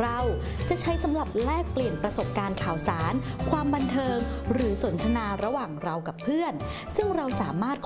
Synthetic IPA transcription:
ɾa˧w | t͡ɕa˨˩ʔt͡ɕʰa˦˥jsa˩˦mɾa˨˩p̚ɾɛː˥˩k̚pli˨˩ənpɾa˧so˨˩p̚kaː˧nkʰaː˨˩wsaː˩˦nkʰwaː˧mba˧nt̪ʰɤː˧ŋɾɯː˩˦so˩˦nt̪ʰa˧naː˧ɾa˧waː˨˩ŋɾa˧wka˨˩pʰːɯ˥˩ən | sɯ˥˩ŋɾa˧wsaː˩˦maː˥˩t̪̚kʰ

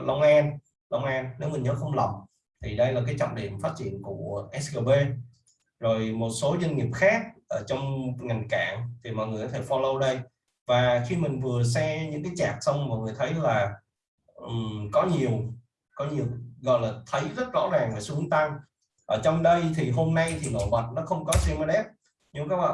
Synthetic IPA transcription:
lə˧wŋ͡mʔaː˧n | lə˧wŋ͡mʔaː˧nne˨˦wmï˨˩ŋ̟ɲəː˨˦xə˧wŋ͡mlə˨˩wŋ͡m | t̪ʰi˨˩ɗə˧jlaː˨˩k̬aː˨˦jt͡ɕɔ̰˧˨ŋ͡mɗi˨˩əmfaː˦˥t̚t͡ɕḭ˧˨ənku˧˩əʔɛ˦˥sɣəː˧ve˧ | zo˨˩jmo˨˩t̚so˨˦zwə˧nŋi˨˩əp̚xaː˦˥k̚ʔəː˧˩t͡ɕɔ˧wŋ͡mŋa˨˩jŋ̟ka̰ː˧˩˨ŋt̪ʰi˨˩mɔ̰˧˨ŋ˨˩kɔ˧t̪ʰe˧˩fɔ˧lə˧wɗə˧j | vaː˨˩xi˧mï˨˩ŋ̟vɨ˨˩əs̬ɛ˧ɲɨ̰˧˥ŋkaː˨˦jt͡ɕaː˨˩k̚sə˧wŋ͡mmɔ̰ː˨˧˩jŋɨ˨˩əjt̪ʰə˨˦jlaː˨˩ | ʔkɔ˨˦ɲi˨˩əw | kɔ˨˦ɲi˨˩əwɣɔ̰˧˨jlaː˨˩t̪ʰə˨˦jzə˦˥t̚zɔ̰˧˥zaː˨˩ŋvaː˨˩su˨˦əŋt̪a˧ŋ | ʔəː˧˩t͡ɕɔ˧wŋ͡mɗə˧jt̪ʰi˨˩ɦo˧mna˧jt̪ʰi˨˩no̰˧˨və˨˩t̚nɔ˨˦xə˧wŋ͡mkɔ˨˦sɛ˧ma˧ɗɛ˦˥p̚ | ɲɨ˧ŋ͡mkaː˦˥k̚ɓa̰˧˨

